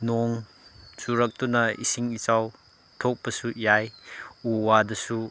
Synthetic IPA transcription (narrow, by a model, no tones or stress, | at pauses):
noŋ | suɾɐk̚tunɐḭsiŋit͡ʃaw | tʰok̚pɐsujajuwadɐsu